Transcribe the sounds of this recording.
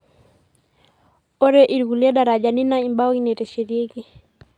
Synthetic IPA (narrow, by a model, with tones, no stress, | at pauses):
ɔ˦ɾɛʔi˨ɾikulɛ˦ɗa˨ɾad͡ʒani˦naimba˦ki˦nɛtɛ˨ʃeɾie˦ki˦